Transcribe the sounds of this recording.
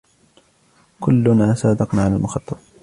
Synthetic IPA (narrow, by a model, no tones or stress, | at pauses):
kʊlːʊnaːsaːd̪ɑqnaːʕalalmʊxɑt̪ˤːɑt̪ˤ